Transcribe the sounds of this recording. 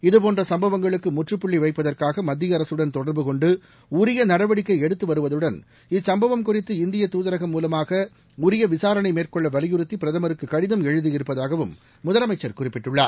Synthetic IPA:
ɪðɯpoːndrɐsɐmbɐʋɐŋɡɐɭɯkːɯmʊʈrɯpːʊɭːiʋɐɪpːɐðɐrkaːɣɐmɐd̪ːɪjɐɾɐsɯɽɐnt̪ɔɽɐɾbɯkɔɳɖɯ | ʊɾɪjɐnɐɽɐʋɐɽɪkːɐɪɛɽɯt̪ːɯʋɐɾɯʋɐðɯɽɐn | ɪsɐmbɐʋɐmkʊrɪt̪ːɯɪnd̪ɪjɐt̪uːðɐɾɐɣɐmːuːlɐmaːɣɐ | ʊɾɪjɐʋɪsaːɾɐɳɐɪmeːrkɔɭːɐʋɐlɪjɯɾɯt̪ːipɪɾɐðɐmɐɾɯkːɯkːɐɽɪðɐmɛɻɯðɯjɪɾɯpːɐðaːɣɐʋɯmː | ʊðɐlɐmɐɪt͡ʃːɐɾkʊrɪpːɪʈːɯɭːaː

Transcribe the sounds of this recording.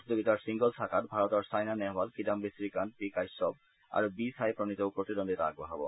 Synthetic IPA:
d̪oɡit̪aɾsiŋɡolsʰakaɾbʱaɾot̪aɾsajnanɛɦbalkidambisɾikanpikajsɔb̚ | a̰ɾbisajpɾonit̪owkɾoʈiɾɔnd̪eɾa̰ɡboɦabo̰

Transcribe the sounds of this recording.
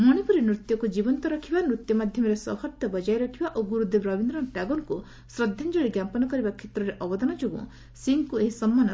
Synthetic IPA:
mɔɽ̃epuɾinɾut̪jɔkud͡ʒibɔnt̪ɔɾɔkʰibanɾut̪jɔmad̪ʱjɔmɔɾesɔhɔɾt̪jɔbɔd͡ʒajɾɔkʰibaʔoɡuɾud̪ʱebɾɔbind̪ɾɔʈaɡɔŋku | sɾɔd̪ʱjand͡ʒɔɭiɡjampɔnɔkɔɾibakʰet̪ɾɔɾeʔɔbɔd̪anɔd͡ʒoɡṵ̃ | siŋkueɦisɔmːanɔ

